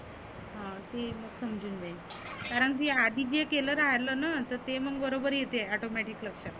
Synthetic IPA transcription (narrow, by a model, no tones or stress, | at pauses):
ɦãt̪eməɡsəmd͡ʑuːnd͡zai | kaɾəɳkead̪ʱiːd͡ʑekeləːɾaɦləːnat̪əɾt̪eməɡ̚bəɾobəɾjet̪eɔʈomɛʈikləkʂə